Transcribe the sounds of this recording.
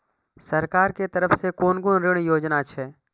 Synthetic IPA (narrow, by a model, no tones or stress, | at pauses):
səɾkaːɾket̪əɾəfsekoːnɡonɾɪɽ̃joːd͡ʒnat͡ʃʰɛː